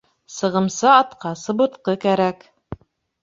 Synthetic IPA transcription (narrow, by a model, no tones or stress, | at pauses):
sɤ̆ʁɤ̆msɤɑt̪qɑsɤ̆bɤ̆t̪qɤkæɾæk